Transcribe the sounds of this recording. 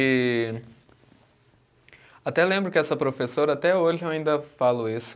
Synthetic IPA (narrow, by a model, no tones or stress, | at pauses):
ɪ | at̪ɛlẽmbɾʊkɪɛsɐpɾofesoɾɐat̪ɛoʒɪewaĩnd̪ɐfalʊisʊ̥